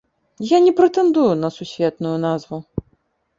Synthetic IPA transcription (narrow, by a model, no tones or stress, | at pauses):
janʲɛpɾɛt̪ɛnd̪ujunɐsusʲvʲɛt̪nujunazvu